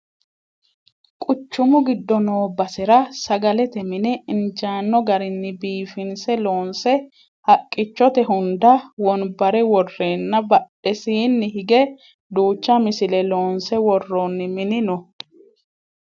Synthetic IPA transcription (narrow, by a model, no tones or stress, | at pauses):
kʼʊt͡ʃːʊmʊɡɪd̪ːɔnoːbɐsɪɾɐsɐɡɐlɛt̪ɛmɪnɛɪnd͡ʒaːnːɔɡɐɾɪnːɪbiːfɪnsɛlo̞ːnsɛ | hɐkʼːɪt͡ʃːɔt̪ɛɦʊnd̪ɐwɔnbɐɾɛwɔrːeːnːɐbɐɗɛsiːnːɪɦɪɡɛ | d̪uːt͡ʃːɐmɪsɪlɛlo̞ːnsɛwɔrːonːɪmɪnɪnɔ